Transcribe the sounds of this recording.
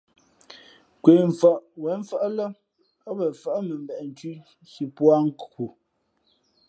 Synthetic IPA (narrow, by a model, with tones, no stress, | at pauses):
kwe˨ɱ˨fa˨ʔwɛ˨˦ɱ˦fə˦ʔlə˦ | ɔ˦bə˨fə˦ʔmə˨m˨bɛ˨ʔn˨ti˦ | ʃi˨pwa˦ŋ̩˦kku˨